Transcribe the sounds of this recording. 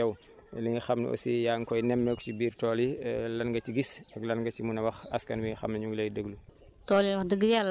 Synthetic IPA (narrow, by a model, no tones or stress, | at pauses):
ɐw | liŋixɐmn̰ʔo̰sijaːŋkɔjnɛmːɛkcibiːɾtɔːlilɐnɡɐt͡ʃiɡisɐɡlɐnɡɐt͡ʃimunɐwɐxɐ̰skɐnwiŋixɐ̰mnɐɲuɡlɐjdəɡlutɔːlinwɐxdəɡːəjalː